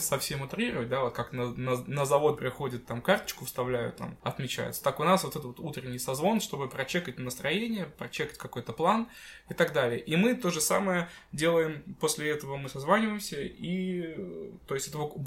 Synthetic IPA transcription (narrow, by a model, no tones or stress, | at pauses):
sɐfsʲemʊt̪ɾʲiɾəvət̚ʲd̪avo̞t̪kaknənənəzɐvo̞t̪̚pɾʲɪxo̞dʲɪt̪ːamkart̪ə̥t͡ɕkʊfst̪ɐvlʲæjʊ̰t̪ːa̰mɐt̪mʲɪt͡ɕæ̰jɪ̰t̪sə̥t̪akʊnasvo̞t̪ɛt̪ətot̪ut̪ɾʲɪnʲːɪijsɐzvo̞nʂt̪o̞bɨpɾɐt͡ɕe̞kət̚ʲnnəst̪ɾɐjenʲɪjəpɾɐt͡ɕe̞kə̥tʲkɐko̞jt̪əplˠan | ɪt̪ɐɡd̪alʲɪjəʔimɨt̪o̞ʐɨsa̰məjə | dʲe̞lˠəjɪmpo̞sʲlʲɪɛt̪əvəmɨsɐzvanʲɪvəjɪmsʲəi | tt̪o̞jɪsʲtʲɛt̪əvo